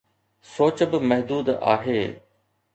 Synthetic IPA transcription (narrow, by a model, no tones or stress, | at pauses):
soːt͡ɕbɪmɛɦd̪uːd̪a̰ːɦeː